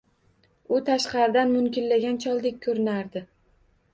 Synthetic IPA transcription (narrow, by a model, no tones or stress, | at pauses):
ʊt̪ʰaʃqɑɾɪd̪anmʊmkʲɪllaɡʲant͡ʃʰɒlˠd̪ekʲʰːɵɾɪnaɾd̪ɪ